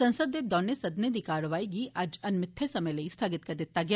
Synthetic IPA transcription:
sɐ̃nsəd̪ːeːb̚d̪ɔːnːjesɐd̪ned̪iːkaːɾʋaːiɡiʔɐd͡ʒɐnmɪt̪ʰːesɐməjlɐist̪ʰaːɡɪt̪̚kɐɾd̪ɪt̪ːaɡja

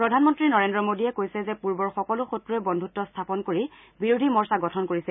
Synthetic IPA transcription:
pɹɔdʱanmɔntɹinɔɹendɹɔmodiɛkojsɛzɛpuɹbɔɹxɔkɔlʊxotɹuɛbɔndʱutːɔstʰapɔnkoɹi | biɹudʱimɔɹsaɡɔtʰɔnkoɹisɛ

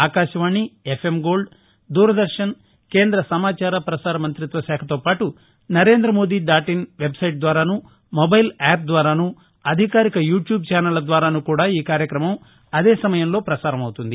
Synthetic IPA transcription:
aːkaːʃɐʋaːɳːiepʰemɡo̞ːlɖ | d̪uːɾɐd̪ɐɾʂɐn | ke̞ːnd̪ɾɐsɐmaːt͡ʃaːɾɐpɾɐsaːɾɐmɐnt̪ɾit̪ʋɐʃaːkʰɐt̪o̞ːpaːʈu | nɐɾe̞ːnd̪ɾɐmoːd̪iːɖ̪aːʈinʋe̞bsɐjʈ̚d̪ʋaːɾaːnu | mobɐjlaːp̚d̪ʋaːɾaːnu | ɐd̪ʱikaːɾikɐjuːʈjuːb̚t͡ʃaːnɐlɐd̪ʋaːɾaːnukuːɽaːiːkaːɾjɐkɾɐmɐm | ɐd̪eːsɐmɐjɐmlo̞ːpɾɐsaːɾɐmɐwt̪und̪i

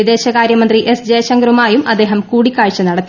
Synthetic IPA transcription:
id̪e̞ːɕɐkaːɾjɐmɐnd̪riʔesd͡ʑeːjɕɐŋɡɐɾumaːjumʔɐd̪e̞ːɦɐmkuːɽikʲːaːɻit͡ɕːɐnɐɽɐt̪ːi

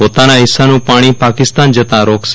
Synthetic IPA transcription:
oːt̪anaɦɪsːanũːpaːɽ̃ipaːkɪst̪aːnd͡ʒət̪ãɾoːks

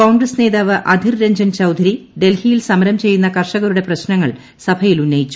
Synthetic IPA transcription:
kɐwɳɡɾɐsne̞ːðaːʋɨʔɐd̪ʱirɾeɲd͡ʑɐnt͡ɕɐwd̪ʱɐɾiɖe̞lhijilsɐmɐɾɐmt͡ɕe̞jːunːɐkɐrʂɐɣɐɾuɽe̞prɐɕnɐŋːɐɭ | sɐbʱɐjilunːɐjit͡ɕːu̥

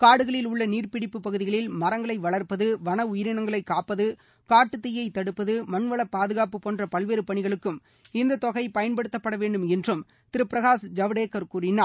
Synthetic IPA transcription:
kaːɽɯɣɐɭɪlʊɭːɐniːrpɪɽɪpːɯpːɐɣɯðɪɣɐɭɪlmɐɾɐŋɡɐɭɐɪʋɐɭɐɾpɐðɯʋɐnɐʊjɪɾɪnɐŋɡɐɭɐɪkːaːpːɐðɯ | kaːʈːɯt̪ːɪjːɐɪt̪ːɐɽɯpːɐðɯmɐnʋɐɭɐpːaːðɯɣaːpɯpoːndrɐpɐlʋeːɾɯpɐɳɪɣɐɭɯkːɯm | ɪnd̪ɐt̪ɔɣɐɪpɐjɐnpɐɽɯt̪ːɐpːɐɽɐʋeːɳɖɯmɛndrɯm | t̪ɪɾɯpːɪɾɐɣaːsd͡ʒɐʋɽeːkːɐɾkuːɾɪnaː

